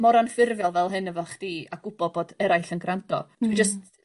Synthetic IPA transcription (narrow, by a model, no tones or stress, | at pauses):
mɔɾanfɪrvjɔlˠvɛlˠɦɨnəvɔχd̥iːaɡ̥ʊbɔboːd̥ɛɾajɬənɡrantʰɔ̰tʰwid͡ʒəst